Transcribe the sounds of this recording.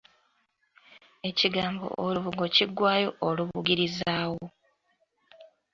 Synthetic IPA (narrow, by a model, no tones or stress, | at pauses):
e̞ciɡaːmbo̞̰ʔoluβuɡo̞ciɡːwaːjo̞ʔoluβuɡiɾizaːwo̞